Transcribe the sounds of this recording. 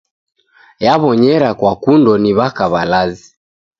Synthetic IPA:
jaβɔɲɛɾakwakundɔniβakaβalazi

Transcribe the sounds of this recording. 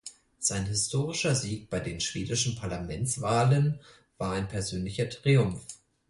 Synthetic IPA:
z̥aɪnɦɪstʰoːʁɪʃɐziːk̚b̥aɪdeːnʃv̥eːdɪʃn̩pʰaɐlamɛnt͡sv̥aːlən | v̥aːɐaɪnpʰɛɐzøːnlɪçɐtʁ̥iʊmf

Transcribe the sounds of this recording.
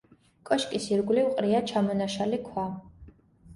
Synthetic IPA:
kʼɔʃkʼisirɡʷliwqʼɾijat͡ʃʰamɔnaʃalikʷʰa

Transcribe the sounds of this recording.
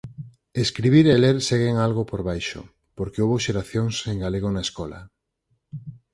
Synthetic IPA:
eskɾiβ̞iɾeleɾseɣ̞eŋalɣopoɾβajʃo̰ | poɾkeoβoʃeɾaθjoŋseŋɡaleɣ̞onaeskɔla̰

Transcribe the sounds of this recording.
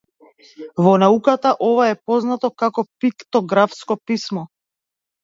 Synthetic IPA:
vɔnaukat̪aʔɔvaɛpɔznat̪ɔkakɔpikt̪ɔɡɾafskɔpismɔ

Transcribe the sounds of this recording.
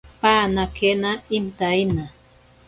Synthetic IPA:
paːnakʰenaint̪aina

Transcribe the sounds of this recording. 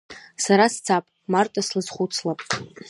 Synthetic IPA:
saɾast͡sʰapʼmartʼaslɨzχʷut͡sʰlapʼ

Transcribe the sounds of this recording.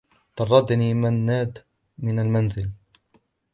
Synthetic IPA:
t̪ɑrˤːɑd̪niːmanːaːd̪ | mɪnalmanzɪl

